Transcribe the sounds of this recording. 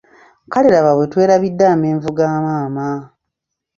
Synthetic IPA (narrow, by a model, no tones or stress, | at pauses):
kaleɾaβaβwetwe̞ːɾaβidːaːmeːɱvuɡaːmaːma